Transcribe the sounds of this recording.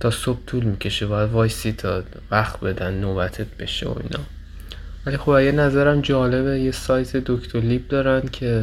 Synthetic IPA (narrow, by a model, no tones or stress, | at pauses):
t̪ʰɒːsob̥̚t̪ʰuːlmicʲʰe̞ʃe̞bɒːjæd̪vɒːjsit̪ʰɒː | væxt̪̚be̞d̪ænːoːbæt̪ʰet̪̚b̥e̞ʃḛo̰ḭːnɒː | vælixo̞bæɡenæzæɾæmd͡ʒɒːle̞bejesɒːjt̪ʰe̞d̪okʰt̪ʰoɾlib̚d̪ɒːɾænd̪̥cʰe̞